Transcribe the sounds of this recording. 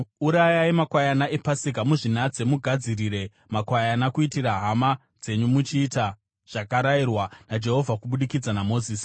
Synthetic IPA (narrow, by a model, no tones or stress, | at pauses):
uɾajaimakwajanaʔepasik̬amuʐinad͡ze̞muɡʱad͡ziriːɾe̞ | makwajanakuitiraɦama | d͡ze̞ɲumut͡ʃiːta | ʐ̥akaɾairwanad͡ʒe̞ɦo̞vʱakuɓuɗikid͡zanamo̞ːziːsi̥